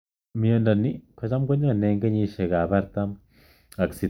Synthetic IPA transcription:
mi˨jo˨nda˨nːi˦ka˨t͡ʃa˦mɡo˦ɲ˦a˨ne˧ŋɡe˦ɲi˦ʃe˨ɡa˨ba˦ɾt̪a˦m | a˨ksi˨

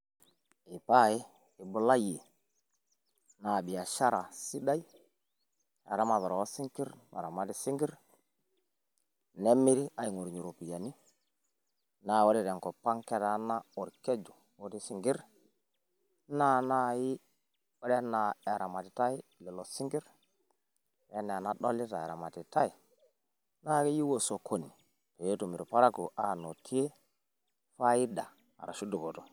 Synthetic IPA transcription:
i˨pa˦˨ɪː˦˨ | bu˨la˦je˨ | na˨bi˨ja˨ʃa˦ɾa˨si˦da˦i˦ | a̰˨ɾa˦ma˨βa˨ɾɔ˨ɔ˦si˦ŋki˦ɾma̰˨ɾa˨ma˨di˦si˦ŋɡi˦ɾ | nɛ˦mːi˦ɾi˦a˨˦i˨ŋo˨ɾɲu˨ɾo˨pi˨ja˨ni˦ | na˨o˦ɾɛ˨ɾɛ˨ŋkɔ˨pːa˦ŋkɛ˦ta˨˦na˦ɔ˨ɾke˦d͡ʒu˨ | wo˦ti˦si˨ŋɡi˦ɾ | na˦na˦ji˦ | wo˦ɗe˦na˨e˨ɾa˨ma˨ti˨ta˦i˦le˨lo˨si˦ŋɡi˦ɾ | je˦nɛ˨a˨na˨ɗo̰˦lːi˦ta˨ḛ˨ɾa̰˨ma˨ti˨ta˦i˨ | na˦ki˦ji˦wo˨so˨kʰo˨nːi˨ | to˨jo˦tu˨mi˨ɾpa˦ɾa˦ku˨ʔa˦no˨tʰi˦je˦ | fa˦ji˦da˨ | a̰˨ɾa̰˨ʃu˦du˨ko˨to˨

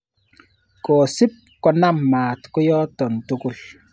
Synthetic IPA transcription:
kɔː˨si˦p̚kɔ˨na˦mːaː˨tko˦jɔ˦tɔ˨n˨to˦ko˦

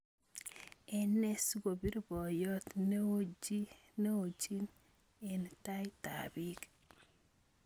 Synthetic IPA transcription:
ɛ˦ne˦sɡo˨bi˦ɾbɔ˨jɔ˦t̪ne˦o˦d͡ʒi˦ne˦o˨d͡ʒi˦n | e˨nta˦jta̰˨bi˦k

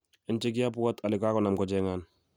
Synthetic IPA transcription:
ɪ˨˦nt͡ʃe˦k̬ɪ˦a˦pwa˦tʰa˨lɪ˨kaː˦kɔ˨na˨mkɔ˨d͡ʒɛŋan

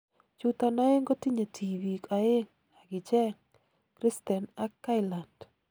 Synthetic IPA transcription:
t͡ʃu˦t̪a˨na˦ɪ˦ŋɡo˦ti˦ɲo˨tʰi˨wi˨ka˨ɪ˦ŋ | a˨ɡɪ˨t͡ʃɛ˦ŋ | kɾi˦st̪ɛ˨na˦kːa˦ɪla˨nd

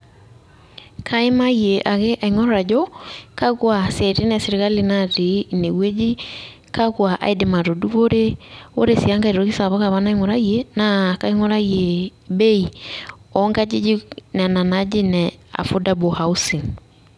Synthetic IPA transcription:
kʰa˦e˦maieʔa˨ɣe˦ʔaiŋɔ˦ɾɔɾa˨d͡ʒɔ˦ka˦ɣwa˨sɛte˦nɛse˨ɾe˨ɣa˦li˨naɾe˨˦ne˨ɣwe˦d͡ʒi˦ | ka˦ɣwa˨ʔa̰˨e˦dema˨ɾo˨du˦βoɾe˦o̰˦ɾe˦siaŋɡa˨e˨ɾɔ˨ɣi˦sa˨βa˦ɣa˨βana˦i˦ŋɔɾa˦iena˨kai˦ŋɔ˦ɾa˦ie˨be˦i˨ɔŋɡa˦d͡ʒi˦d͡ʒi˦na˨na˨nad͡ʒi˦nɛa̰˨fo˦da˦bohau˦si˨

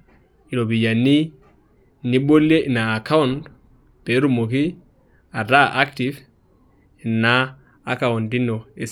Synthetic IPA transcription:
i˨lo˨bi˨ja˨ni˦ | ni˦bo˦le˦ʔi˨naː˨ka˦und | b̥e˨˦ɾu˦mo˨ki˦ | a˨da˦ʔa˦ktiv | i˨na˦ | a˨ka˨wu˨ndi˦no˨e˨

